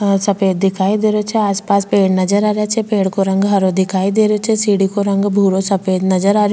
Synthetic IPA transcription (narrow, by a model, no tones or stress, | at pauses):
sɐpeːd̪̚ːɪkʰaːid̪eːɾot͡ʃʰɛaːspaːspeːɽnɐd͡ʒəɾaːɾjat͡ʃʰɛpeːɽkoɾɐ̃ŋɡɦɐɾod̪ɪkʰaːid̪eːɾot͡ʃʰɛsiːɽikoɾɐ̃ŋɡbʱuːɾosɐpeːd̪nɐd͡ʒəɾaːɾjo